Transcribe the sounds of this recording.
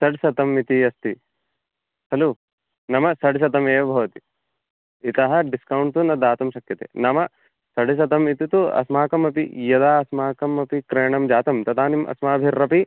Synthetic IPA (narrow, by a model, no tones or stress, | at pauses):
sɐɖsɐt̪ɐmit̪iɐst̪i | hɐloː | nɐmɐsɐɖisɐt̪ɐmeːʋɐbʱɐʋɐt̪i | it̪ɐɦɐ̆ɖiskɐwuɳt̪unɐd̪aːt̪ɐmʃɐkjɐt̪ḛːnɐmɐ | sɐɖis̬ɐt̪ɐmit̪it̪uɐ̰smaːkɐmɐpijɐd̪aːɐsmaːkɐmɐpikɾeːɳɐmd͡ʒaːt̪ɐmt̪ɐt̪aːnimʔɐ̰smaːbʱiɾːɐpi